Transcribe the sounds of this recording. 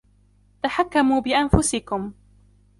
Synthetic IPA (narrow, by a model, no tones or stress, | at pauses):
t̪aħakːamuːbɪʔanfʊsɪkʊm